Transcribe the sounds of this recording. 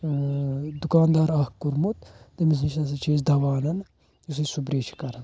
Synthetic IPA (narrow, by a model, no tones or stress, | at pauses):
d̪ukaːnd̪aːɾahkuɾmut̪t̪emis̬nt͡ʃʰɐs̬ɐt͡ʃʰeːzd̪ɐʋaːnɐn | us̬isubɾeːt͡ʃʰi̥kɐɾɐn